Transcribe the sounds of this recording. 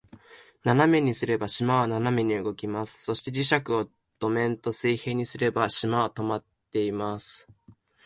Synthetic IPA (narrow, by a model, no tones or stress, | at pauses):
naname̞ɲ̟isɨɾe̞baɕimaβananame̞ɲ̟iɯ̟ɡo̞kʲimasɨ̥so̞ɕi̥t̪e̞d͡ʑiɕakɯ̟o̞ | d̪̥o̞mẽ̞nt̪o̞sɨihe̞ːɲ̟isɨɾe̞baɕimaot̪o̞mat̪ːe̞imasɨ̥